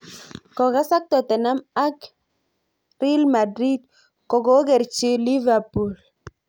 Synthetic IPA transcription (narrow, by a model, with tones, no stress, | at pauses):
kɔ˨ka˦sa˦k̚t̪ɔ˨tɛ˨na˦ma˦k | ɾi˦lma˨dɾi˦d | kɔ˨ɡo˨˦ɡɛ˨ɾt͡ʃi˦li˦va˨pu˨l